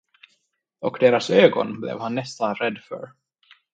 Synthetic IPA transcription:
ɔɣd̪̥eːɾasœːɣɔ̰nblɛ̰vhanːɛst̪anrɛd̪fœ̰ɾ

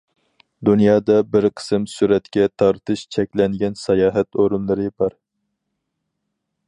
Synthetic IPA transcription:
d̪unjɑːd̪ɑbɪɾqʰə̥sɨmsuɾɛt̪kʲɛt̪ʰɑɾt̪ʰɨʃt͡ʃʰɛkʲlɛnɡʲɛnsɛjɑːɦɛt̪oɾunlˠɨɾɨbɑɾ

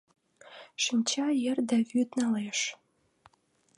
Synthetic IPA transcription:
ʃimʲt͡ɕɑjĕrd̪æβyt̪nɑleʃ

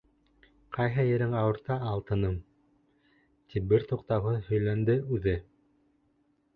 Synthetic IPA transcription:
qɑjɦɤjɘ̆ɾɘŋɑwɤ̆ɾt̪ɑːlˠt̪ɤ̆nɤm | t̪ʰip̚bɘɾt̪uqt̪ɑwɦɤðhɵ̆jlænd̪ɘʉðɘ

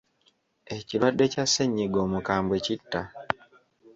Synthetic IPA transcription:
eciɾwadːe̞caseɲːiɡomukaːmbwe̞citːa

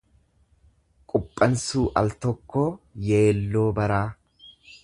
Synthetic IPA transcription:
kʼʊpʼːɐnsuːʔɐlt̪ɔkːo̞ːje̞ːlːo̞ːbɐɾaː

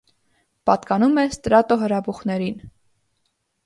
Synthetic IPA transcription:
pɑt̪kɑnumɛst̪ɾɑt̪ɔɦəɾɑbuχnɛɾin

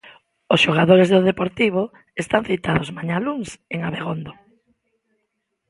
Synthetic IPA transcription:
ʊsʃoɣaðoɾezðoðepoɾt̪iβ̞o | est̪aŋθit̪aðozmaɲaluŋseŋaβeɣond̪o

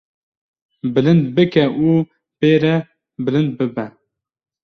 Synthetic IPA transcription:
bɨlɨnd̪bɨkɛʔu | beːɾɛ | bɨlɨnd̪̚bɨbɛ

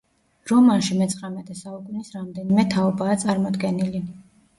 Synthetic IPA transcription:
ɾɔmanʃimɛt̪sʰʼχʼamɛt̪ʰɛsaukʼunisɾamd̪ɛnimɛt̪ʰaɔbaːt̪sʼaɾmɔd̪ɡɛnili

